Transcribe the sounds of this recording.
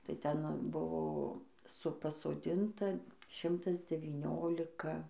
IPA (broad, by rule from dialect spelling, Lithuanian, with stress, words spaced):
tɐɪ ˈtʲɛn ˈbʊʋoː ˈsʊ pɐsoːˈdʲɪntɐ ˈʃʲɪmtɐs dʲɛʋʲiːˈnʲoːlʲɪkɐ